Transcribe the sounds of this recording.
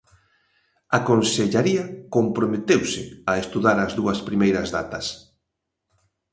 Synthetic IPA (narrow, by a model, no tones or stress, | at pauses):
akonseʎaɾiɐkompɾomet̪ewsɪɐest̪uðaɾɐzðuɐspɾimejɾɐzða̰t̪ɐs